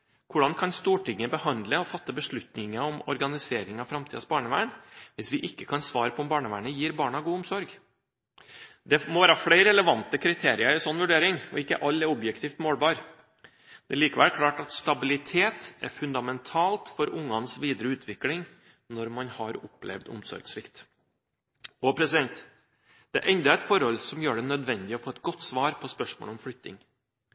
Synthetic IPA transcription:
kʰʊɖɑnkʰɑnst̪uːʈʰɪŋːəbəhɑnd̪ləɔfɑt̪ːəbəʂɭʉt̪nɪŋəɔmɔ̰ɾɡɑnɪseːɾɪŋɑfɾɑmt̪ʰiːd̪sbɑːɳəʋæ̰ːɳʋɪsʋɪʔɪkːəkʰɑnsʋɑːɾəpʰɔɔmbɑːɳəʋæ̰ːɳəjiːɾbɑːɳɑɡuːʊmsɔɾɡ | d̪ɛmɔʋæːɾɑfɽæɪɾɛləʋɑnt̪əkʰɾɪt̪ʰeːɾɪəɾɪsɔnːʋʉɖeːɾɪŋɔ̰ɪkːəʔɑlːɛɾɔbjɛkt̪ʰiːft̪moːlbɑːɾ | d̪̥ɛliːkəʋæ̰ːɾkʰlɑːʈɑt̪st̪ɑbɪlɪt̪ʰeːt̪ɛ̰ɾfʉnd̪ɑmɛnt̪ʰɑːlt̪fɔɾʔʊŋːɑnsʋiːd̪əɾəʉːt̪ʰʋɪklɪŋ | nɔɾmɑnhɑɾʊpːlɛ̰ʋd̪ʊ̰msɔ̰ɾɡsʋɪkt̪ | ɔpʰɾɛsɪd̪ɛnt̪ | d̪̥ɛ̰ʔɛnd̪ɑɛt̪fɔɾɔlsɔmjøːɖɛnœd̪ʋɛnd̪ɪɔfɔːɛt̪ːɡɔt̪ːsʋɑːɾpʰɔspœʂmo̰ːlɔmflʏtt̪ːɪ̰ŋ

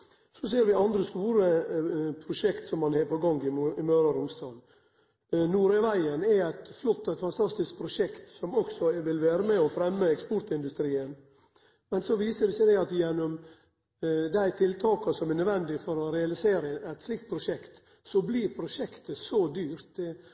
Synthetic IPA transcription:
sɔs̬eːɾʋɪɑnd̪ɾəst̪uːɾəpʰɾʊʂɛkt̪sɔmːɑnheːpʰɔɡɔŋɡɪɪmøːɾɑɾʊmst̪ɑːn | nuːɾɛʋæɪənɛæɪt̪flɔt̪ːɛɪt̪fɑnt̪ʰɑst̪ɪsk̚pʰɾʊʂɛkt̪sɔmɔksɔʋɪlʋæːɾəmɛɔfɾɛmːəɛkspɔɾt̪ɪnd̪ʉst̪ɾiːən | mɛnsɔʋiːsəd̪ɛsæɪd̪æɑt̪jɛnːɔm | d̪æɪt̪ʰɪlt̪ʰɑːkɑsɔmɛnœd̪ʋɛnd̪ɪfɔɾɔɾɛɑlɪseːɾəæɪt̪slɪkt̪̚pʰɾʊʂɛkt̪ | sɔbliɾpʰɾʊʂɛkt̪əsɔd̪yːɾt̪

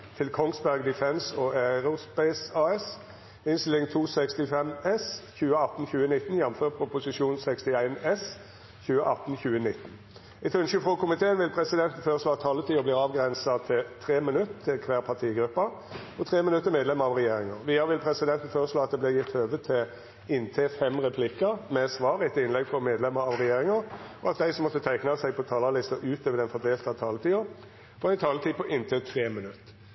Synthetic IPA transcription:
t̪ʰɪlkʰɔŋsbæʁɡd̪ɪfɛnsɔæɾʊspɛɪsɑɛs | ɪnst̪ɪlɪŋt̪ʰuːsɛkst̪ɪfɛmɛsçʉːəɑt̪ːn̩çʉːənɪt̪n̩jɛmːmføːʁpʰʊpʊsɪʃuːnsɛkst̪ɪæɪnɛs | çʉːəʔɑt̪ːn̩çʉːənɪt̪ːn̩ | ɛt̪ʰʉnʃyfʁɔkʰʊmɪt̪ʰeːənʋɪlpʰʁɛsɪd̪ɛnt̪n̩føːʁəʂloːɑt̪ʰːɑːlət̪ʰiːɔbliːʁɑːʋɡʁɛnsɑt̪ʰɪlt̪ʰʁeːmɪnʉt̪t̪ʰːɪlkʰʋæːʁpʰɑt̪ʰiːɡɾʉpːɑ | ɔt̪ʰʁeːmɪnʉt̪ːəɾmeːd̪lɛməʁɑʋʁɛjeːɾɪŋəʁʋiːəɾʋɪlpʰɾɛsɪd̪ɛnt̪n̩føːʁəʂloːɑt̪̚d̪ɛb̪ɪʁjɪt̪ːhøːʋət̪ʰːɪ | ɪnt̪ʰeːfɛmʁɛpʰlɪkːəʁmɛsʋɑːɾɛt̪ɪnlɛɡfɔɾmeːd̪lɛmːəɾɑʋʁɛjeːʁɪŋəɾɔɑt̪̚d̪æɪsɔmːɔt̪ːət̪ʰæɪknɑsæɪpʰɔt̪ʰɑːlɑlɪst̪əʔʉːt̪øːʋəd̪ɛnfɔd̪eːlt̪ɑt̪ʰɑːlət̪ʰiːʊʁ | pʰɔɛɪnt̪ʰɑːlət̪ʰiːpʰɔʔɪnt̪ʰeːt̪ʰʁeːmɪnʉt̪ː

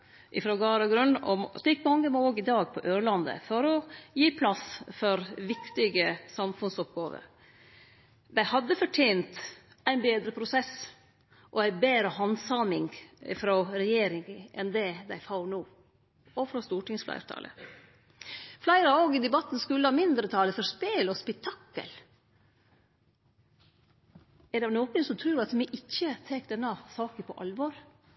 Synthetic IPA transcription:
ʔɪfɾɔɡɑːɾɔɡɾʉnːɔ̰mɪkːmɑŋːəmooːɡɪd̪ɑːɡ̚pʰɔʔøːɾɭɑnd̪ə̰fɔɾɔjiːpʰlɑsfɔɾʋɪkt̪ɪɡəsɑmfʉnsɔp̚ɡɑːʋə̰ | d̪æɪhɑd̪ːəfɔʈʰɛːnt̪ | æɪnbeːd̪ɾəpʰɾʊsɛs | ʔɔæɪbeːɾəhɑnsɑmɪŋ̰fɾoɾɛjeːɾɪŋʔɛnd̪ɛd̪æɪfɑʊnuː | ɔfɾɔst̪uːʈɪŋsflæ̰ɪɾt̪ʰɑ̰ːlʔə̰ | flæɪɾɑoːɡɪd̪ɛbɑt̪ːn̩skʉlːəhɑːmɪnd̪ɾət̪ʰɑːləfɔɾspeːlɔspɛk̚t̪ʰɑkːə̰l | ɛɖɑnoːkənsɔmt̪ʰɾʉːɾɑt̪mɪʔɪçːət̪ʰɛːkd̪ɛnːɑsɑːkəpʰɔʔɑlʋɔɾ

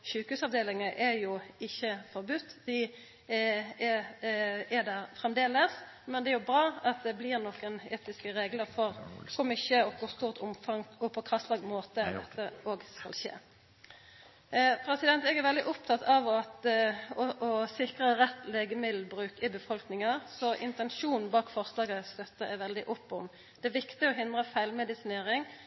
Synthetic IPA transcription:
ʃʉːkəhʉːsɑʋd̪eːlɪŋəʔɛɾjʊɪçːəfɔʁbʉt̪ːd̪̥ɪ | ɛ | æd̪æɾfʁɛmd̪eːləs | mɛnd̪ɛɛɾjʊbʁɑːɑt̪̚d̪ɛblɪʁnɔkəneːt̪ɪskəɾeːɡləʁfɔʁkʰʊmʏçəɔkʊʁst̪uːʁt̪ʊmfɑŋɔpʰɔkʰʁɑst̪lɑːɡmoːt̪əd̪ɛt̪ːəoːɡskɑ̰lʃḛː | pʰʁɛsɪd̪ɛnt̪ɛɡæɾʋɛld̪ɪʔʊp̚t̪ʰɑt̪ʰːɑʋɔt̪ɔʔɔsɪkʁəʁɛt̪ːleːɡəmɪd̪l̩bɾʉːkɪbəfɔlknɪŋɑsɔʔɪ̰nt̪ɛnʃuːnn̩bɑːkfɔʁslɑːɡəst̪œt̪ːəɛʋɛld̪ɪʔɔpːɔm | d̪ɛæʋɪkt̪ɪɡɔɦɪnd̪ʁəfæɪlmɛd̪ɪsɪneːʁɪŋ

